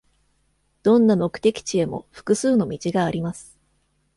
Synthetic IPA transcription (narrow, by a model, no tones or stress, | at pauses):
d̪̥õ̞nːamo̞kɯ̟̥t̪e̞kʲi̥t͡ɕie̞mo̞̰ɸɯ̟̥kɯ̟sɨːno̞mʲit͡ɕiɡaːɾʲimasɨ̥